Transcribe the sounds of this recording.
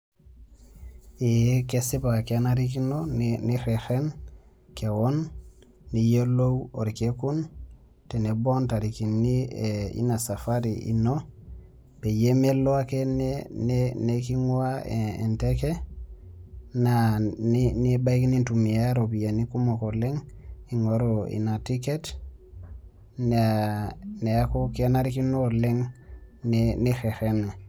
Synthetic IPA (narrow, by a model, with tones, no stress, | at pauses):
i˨je˦kesi˦ba˨keanaɾi˦ki˦noniɾe˨xe˦n | ke˨wonː | i˨je˦lo˦wo˨ɾi˨keku˦n | te˨ne˨bo˦nta˨ɾi˨ki˨nːiḭ˦na˨sa˨faɾiḭ˨no | b̥e˨je˦me˦lo˦a˦ke˦nneneki˦ŋu˦aeḛ˨nteke˦ | nanini˦ba˦iki˦ni˦ntu˨mi˨ja˦ɾo˨bi˨ja˨ni˦ku˦mo˨ko˨le˦ŋi˨ŋo˨ɾo˨ḭ˨na˨ti˦ket | n | ne˨a˦ku˦ki˦a˦na˦ɾi˦ki˦no˦o˨le˦ŋ | neni˦xe˨xe˦ne˨